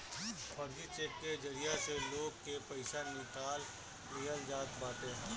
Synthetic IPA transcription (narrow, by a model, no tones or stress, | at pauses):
ɔɾd͡ʒit͡ʃeːkːed͡ʒɐɾijaseloːɡ̚kepɐɪsanɪkaːl | mijəld͡ʒaːt̪baːʈ̪eɦɛ̃ː